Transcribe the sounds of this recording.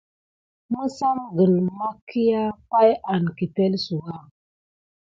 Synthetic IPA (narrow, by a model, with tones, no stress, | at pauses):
mə˦sa˦mɡə˨lma˦kʰi˦ja˦pa˦ja˨nki˨te˦lsu˨ɡa˦